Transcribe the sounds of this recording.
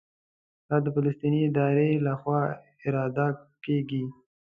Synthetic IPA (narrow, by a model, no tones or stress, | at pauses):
d̪̥ɑd̪əfaləst̪iniɪd̪ɑɾelaxwɑ | ɪɾɑd̪akeɡi